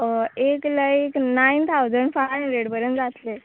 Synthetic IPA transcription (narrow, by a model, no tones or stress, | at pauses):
ekləeknaint̪ʰawd͡zəɳɖfaãɾeɽpəɾənd͡zat̪le